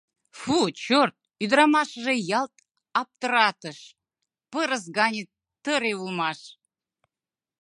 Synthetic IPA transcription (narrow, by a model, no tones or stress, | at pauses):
fut͡ɕort̪̚yd̪ɾɑmɑʃəʒejɑlt̪ | ɑp̚t̪əɾɑt̪əʃ | pəɾəs̬ɡɑnʲetː | əɾeulˠmɑʃ